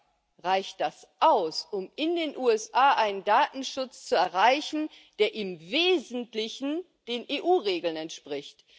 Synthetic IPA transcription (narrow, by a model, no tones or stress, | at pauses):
ʁaɪçt̚d̥asʔaʊsʔʊmɪndeːnʔuːɛsʔaːʔaɪnəndaːtn̩ʃʊt͡st͡suɛɐʁaɪçn̩ | d̥eːɐʔɪmveːzn̩tlɪçn̩ | d̥eːnʔeːʔuːʁeːɡl̩nɛntʃpʁ̥ɪçt